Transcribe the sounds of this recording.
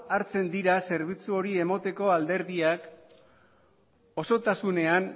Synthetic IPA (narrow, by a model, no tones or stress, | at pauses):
aɾt͡se̞nd̪iɾase̞ɾβit͡suo̞ɾie̞mot̪e̞ko̞ald̪e̞ɾðiak | o̞so̞t̪asune̞an